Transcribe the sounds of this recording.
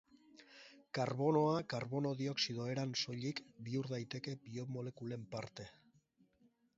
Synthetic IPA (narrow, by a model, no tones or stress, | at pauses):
kaɾβo̞no̞akaɾβo̞no̞ðio̞ksið̞o̞e̞ɾanso̞ʎikbiuɾðajt̪e̞ke̞bio̞mo̞le̞kule̞mpaɾt̪e̞